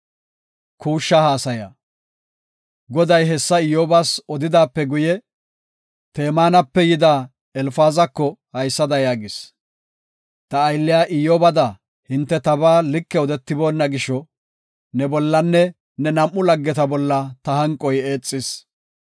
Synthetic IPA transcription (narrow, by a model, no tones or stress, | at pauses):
kʰuːʃːɐhaːsɐjɐ̰ | ɡɔd̪ɐjɦɛsːɐɪjoːbasɔd̪ɪd̪aːpːɛɡʊjɛ | t̪eːmaːnɐpːɛjɪd̪aː | ɛlfaːzɐkːɔhɐjsːɐd̪ɐjaːɡɪs | t̪ɐːjlːɪjaːʔɪjoːbɐd̪ɐ | hɪnt̪ːɛt̪ɐbaːlɪkːɛɔd̪ɛt̪ːɪboːnːɐɡɪʃɔ | nɛbɔlːɐnːɛ | nɛnɐmʔːʊlɐɡːɛt̪ɐbɔlːɐt̪ɐhɐŋkʼːɔjeːt͡sʼːɪs